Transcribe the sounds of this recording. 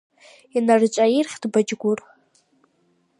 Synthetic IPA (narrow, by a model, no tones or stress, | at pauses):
inart͡ʃʷʼairχʲdbad͡ʒɡʷʊr